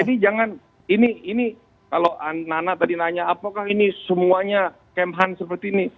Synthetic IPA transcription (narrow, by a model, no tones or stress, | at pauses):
d͡ʒadid͡ʒaŋan | iniini | kaloananat̪adinaɲaːpakahinisəmuaɲa | kɛmɦansəpərt̪iːni